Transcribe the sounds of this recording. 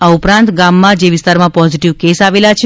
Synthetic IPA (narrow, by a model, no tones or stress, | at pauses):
aupɾãnt̪ɡamːãd͡ʒeʋɪst̪aɾmãpɔziʈiʋkesaʋelat͡ʃʰ